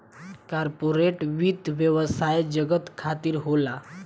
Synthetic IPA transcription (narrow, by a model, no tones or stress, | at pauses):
kaɾpoɾeʈʋid̪ʱʋjəʋəsajd͡ʑəɡət̪kʰat̪iːɾɦola